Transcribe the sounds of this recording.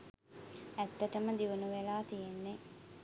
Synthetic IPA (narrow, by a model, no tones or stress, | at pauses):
æt̪ːəʈəməd̪iʋunuʋelaːt̪ijenːe